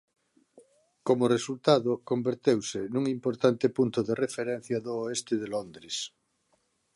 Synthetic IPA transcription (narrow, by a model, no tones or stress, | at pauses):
komoresult̪aðokombeɾt̪ewsenuŋimpoɾt̪ant̪epunt̪oðerefeɾen̟θjaðoːest̪eðelond̪ɾes